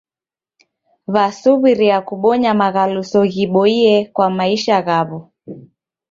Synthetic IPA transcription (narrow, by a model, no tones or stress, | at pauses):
βasuβiɾiakuɓɔɲamaɣalusɔɣiɓɔiɛkwamaiʃaɣaβu